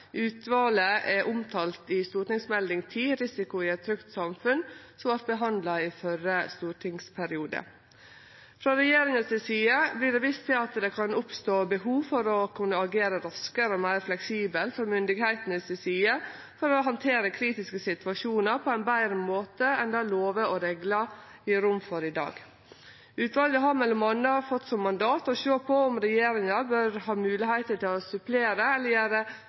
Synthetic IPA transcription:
ʔʉːt̪ʋɑːləʔɛʔʊmt̪ʰɑːlt̪ɪst̪uːɾʈɪŋsmɛld̪ɪŋt̪ʰiːɾɪsɪkʊɪɛt̪̚fʰɾʏkt̪sɑmfʉnsɔmʋɑɾ̚bəɦɑnd̪lɑɪfœɾəst̪uːʈʰɪŋspʰæɾɪuːd̪ə̰ | fɾɑɾɛjeːɾɪŋəsɪsiːəblɪɖɛʋiːst̪ʰɪlɑt̪d̪ɛkʰɑnʊpst̪oːbəɦuːʋfɔɾɔkʰʉnːəɑɡeːɾəɾɑskəɾɔmæɪɾflɛksiːbəlfɔɾmʏnd̪ɪɡhæɪt̪ənɪsɪsiːə | fɔɾɔɦɑnt̪ʰeːɾəkʰɾiːt̪ɪskəsɪt̪ʋɑʂuːnəɾpʰɔæɪnbæɪɾəmoːt̪əɛnd̪ɑloːʋəʔɔɾɛɡlɑ | ɪɾʊmfɔɾɪd̪ɑ̰ːɡ | ʉːt̪ʋɑlɡəɦɑmɛlɔmɑnːəɑɾfɔt̪ːsɔmːɑnd̪ɑːt̪ɔʃøːpʰɔɔmɾɛjeːɾɪŋɑbøɾhɑːmʉːlɪhæɪt̪əʈ̪ʰɪlɔsʉpʰleːɾəɛləjeːɾə

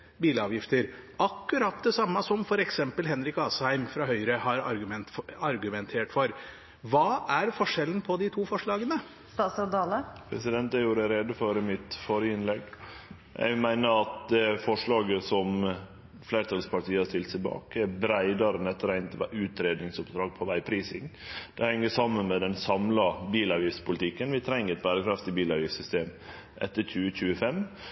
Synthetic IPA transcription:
biːləɑːʋjɪft̪əɾɑkːʉɾɑt̪d̪ɛsɑmːɑsɔmfɔɾɛksɛmpəlɦɛnɾɪkɑːshæɪmfɾɑɦœʏɾəhɑɾɑɾɡʉmɛnt̪ɑɾɡʉmɛnt̪ʰeːʈfɔɾ | ʋɑːʔæɾfɔʂɛlən̩pʰɔd̪ɪt̪ʰuːfɔʂɭɑːɡənə | st̪ɑːt̪sɑd̪ɑːləpʰɾɛ̰sɪd̪ɛnt̪æjuːɾəɾeːd̪əfɔɾmɪt̪fɔɾəɪnlɛɡ | jæ̰ɪmæɪnəɾɑt̪̚d̪ɛfɔʂɭɑːɡəsɔm | fleːɾt̪ʰɑlspʰɑʈʰiːəɑst̪ɪlt̪sɪbɑ̰ːkæɾbɾæɪd̪ɑɾənɛt̪ːəɾæɪnt̪ʋ̰ʉːt̪ɾeːd̪nɪŋsʊp̚d̪ɾɑːɡ̚pʰɔʋæɪpʰɾiːsɪŋd̪̥ɛhɛŋːəʂɑmːənmɛd̪ɛnsɑmlɑbiːlɑɾʋiːspʰʊlɪt̪ʰɪkːənʋɪt̪ʰɾɛŋːəɾɛt̪̚bæːɾəkʰɾɑft̪ɪbiːlɑɾʋiːsʏst̪eːm | ʔɛ̰t̪ːəɾçʉːəc͡çʉːəfɛm

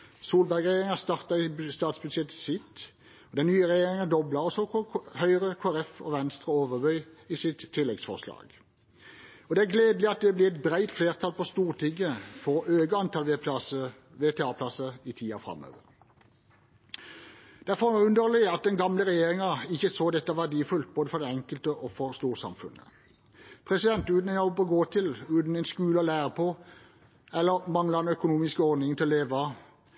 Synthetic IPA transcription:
suːlbæʁɡʁɛjeːʁɪŋəst̪ɑʁt̪ɑɪst̪ɑːt̪sbʉd̪ʃjɛt̪ə̥sɪt̪ | ɔd̪ɛnnyːəʁɛjeːʁɪŋɑd̪ɔblɑʁɔsɔhœʏʁəkʰoːæʁɛfɔ̰ʋɛnst̪ʁəoːʋəʁbœʏiːsɪt̪ʰːɪlːɛɡsfɔ̰ʁslɑ̰ːɡ̥ | ɔd̪ɛæʁɡleːd̪l̩ɪɑt̪̚d̪ɛblɪʁɛt̪̚bʁæɪt̪fleːʁt̪ʰɑlpɔst̪uːʁt̪ʰɪŋːəfɔːøːɡəɑnt̪ʰɑlʋeɑsə | ʋeːt̪ʰeɑːpʰlɑsəɪt̪ʰiːɑ̰fʁɑ̰mø̰ːʋə̰ʁ | d̪̥æʁfɔʁʉnd̪əʁlɪɑt̪̚d̪ɛnɡɑmləʁɛjeːʁɪŋɑɪçːəsoːd̪ɛt̪ːɑʋæʁd̪iːfʉlt̪̚boːd̪əfɔʁd̪ɛɛŋkəlt̪əʔɔfɔʁst̪uːʁsɑ̰mfʉ̰nə̰ | pʰʁɛsɪd̪ɛnt̪ʉːd̪nɪnɔpɔɡoːt̪ʰɪlʉːt̪n̩æɪnskʉːləɔlæːʁəpʰoː | ɛlːəʁmɑŋlɑʁd̪ɛnœkʊnuːmɪskəɔd̪nɪŋt̪ɪlɔleːʋɑ

